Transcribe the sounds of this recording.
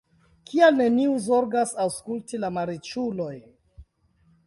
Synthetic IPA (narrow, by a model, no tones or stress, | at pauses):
kʰialne̞niuzo̞ɾɡasawskultilamaɾit͡ʃulo̞j